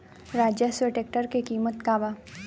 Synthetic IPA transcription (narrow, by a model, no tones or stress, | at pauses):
ɾaːd͡ʒjaseʈekʈəɾkekiːmət̪kaːba